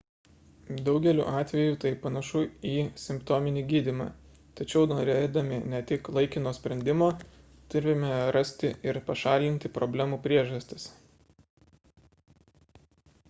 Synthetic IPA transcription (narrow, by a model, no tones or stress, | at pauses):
d̪ɒʊɡʲɛlʲṵːʔɑːt̪ʲʋʲɛjuːt̪ɐɪpɐnɐʃuiːsʲɪmpt̪ɔːmʲɪnʲiːɡʲiːd̪ʲimɑ̰ː | t̪ɐt͡ʃʲɛʊnoːɾʲeːd̪ɐmʲɪnʲɛt̪ʲɪklˠɐɪkʲɪnoːsʲpʲɾʲɛnʲd̪ʲɪmoː | t̪ʊɾʲɪmʲɛɾɐsʲt̪ʲɪɪɾpɐʃɑːlʲɪnʲt̪ʲɪpɾɔbʲlʲæmuːpʲɾʲiɛʒɐsʲt̪ʲɪs